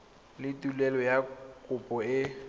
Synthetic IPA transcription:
lɪtʼulɛlɔjakʼʊpʼɔɪ

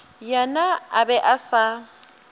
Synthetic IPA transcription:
janaabɛʔasa

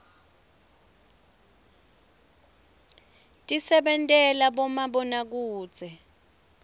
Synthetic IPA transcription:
tʼisɛɓɛntʼɛlaɓɔmaɓɔnak̬uːd̥z̥ʱɛ

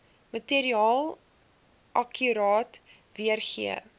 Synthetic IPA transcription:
mətiəɾiɑːlˠ | ʔɐkʰyɾɑːt | viərχḭə̰

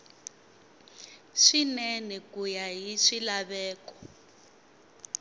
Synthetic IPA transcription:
ʂinɛnɛkujaɦiʂilaβɛːkɔ̥

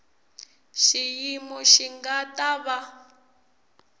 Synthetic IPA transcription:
ʃijimɔʃiŋɡataβa

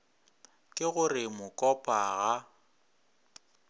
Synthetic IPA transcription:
kʼɪɣʊrɪmʊkʼɔpʼaɣa

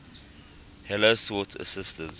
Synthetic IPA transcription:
hɛləsɔtʰə̰sɪstə̃ns

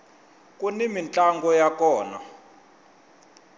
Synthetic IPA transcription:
kʼunimint͡ɬʼaŋɡɔjakɔːna̰

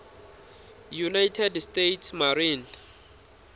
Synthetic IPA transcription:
junajtʰɛdstetʰsmaɾin

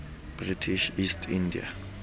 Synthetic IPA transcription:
b̥ʁitʰiʃistʰindḭa̰

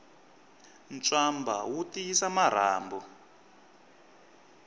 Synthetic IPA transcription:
nt͡swamba̰wutiisamaɾ̤aːmbɔ

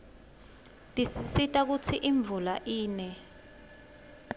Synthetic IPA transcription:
tʼisisitʼak̬ut͡sʰiʔiɱb̪vulaʔiːnɛ

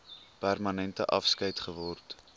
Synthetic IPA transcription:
pærmɐnɛntəʔɐfskəjtχəvɔrt

